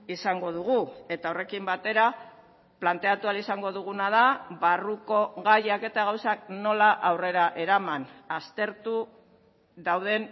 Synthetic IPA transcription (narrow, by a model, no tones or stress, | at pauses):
isaŋɡo̞ðuɣue̞t̪ao̞re̞kimbat̪e̞ɾa | plant̪e̞at̪ualisaŋɡo̞ðuɣ̞unað̞aβaruko̞ɣajake̞t̪aɣawsakno̞laʔawre̞ɾaʔe̞ɾamanast̪e̞ɾt̪u | ðawðe̞n